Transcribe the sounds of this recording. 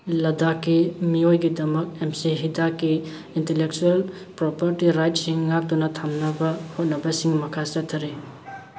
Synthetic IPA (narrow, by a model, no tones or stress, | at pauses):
lɐdakːimiojɡidɐmɐk̚emsiɦidakːiː | ntelek̚t͡ʃuel | pɾopɐɾtiɾajt̚siŋːak̚tunɐtʰamnɐbɐhot̚nɐbɐsiŋmɐkʰasɐtʰːɐɾe